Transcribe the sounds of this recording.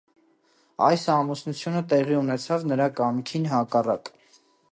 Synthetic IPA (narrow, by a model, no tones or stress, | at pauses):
ɑ̰jsɑmusnut͡sʰjunət̪ɛʁiunɛt͡sʰɑvnəɾɑkɑmkʰinɦɑkɑrɑ̰k